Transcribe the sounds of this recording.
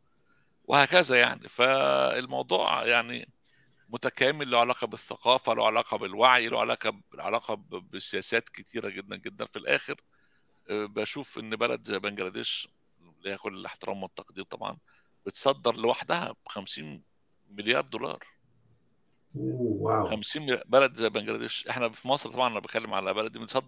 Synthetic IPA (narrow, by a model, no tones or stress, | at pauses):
wʔehæːkæzæjaʕnḭfæḛlmɑwd̪ˤṵːʕjaʕnḭ | mʊt̪ækæːmelːæwʕalæːqɑbeθːæqɑːfælæ̰wʕalæːqɑbelwaʕjlæ̰wʕa̰læ̰ːqɑʕa̰læːqɑbbesejæːsæːt̪ket̪ʰiːɾæɡed̪ːænɡed̪ːænfilʔæ̰ːxeɾ | bæʃuːfʔenːbælæ̰d̪bæŋɡælæd̪eːʃ | lhækolːelʔḛħt̪eɾʔæ̰ːmwot̪ːɑqd̪iːt̪ˤɑ̰bʕɑ̰n | b̥et̪sˤɑd̪ːɑɾˤlewaħd̪æhæ̰bxæmsiːn | meljɑːɾˤd̪olɑ̰ːɾˤ | owwxæmsiːnmelbælæd̪zæbæŋɡlæ̰d̪eːʃʔeħnæfimɑsˤɾt̪ˤɑbʕɑnʔænæbet̪̚kælːemʕalæbælæd̪ibet̪sˤɑd̪ː